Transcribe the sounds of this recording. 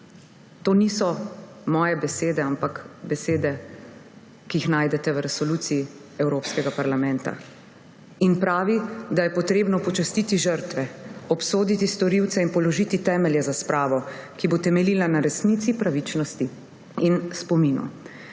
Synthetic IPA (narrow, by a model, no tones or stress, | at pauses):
t̪oːnisɔ | mɔːjɛbɛseːd̪ɛampakbɛseːd̪ɛ | kijixnaːjd̪ɛt̪ɛwɾɛsɔlut̪siji | ɛwɾoːpskɛɡapaɾlamɛ̃nt̪a̰ | inpɾaːʋid̪ajɛpɔt̪ɾeːbnɔpɔt͡ʃast̪it̪iʒəɾt̪ʋɛɔpsoːd̪it̪ist̪ɔɾiwt̪sɛinpɔlɔʒiːt̪it̪ɛːmɛljɛzaspɾaːʋɔkibot̪ɛmɛliːlanaɾɛsnit̪sipɾaʋit͡ʃnɔst̪i | inspɔmiːnṵ